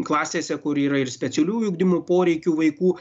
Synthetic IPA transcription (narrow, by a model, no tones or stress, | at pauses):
klˠɑːsʲeːsʲɛkʊɾiːɾɐɪɾsʲpʲɛt̪ʲɛlʲuːjʊɡd̪ʲɪmuːpoːɾʲɛɪkʲuːʋɐɪkuː